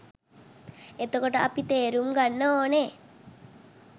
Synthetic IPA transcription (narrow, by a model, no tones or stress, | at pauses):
et̪okoʈəapit̪eːɾumɡanːəoːne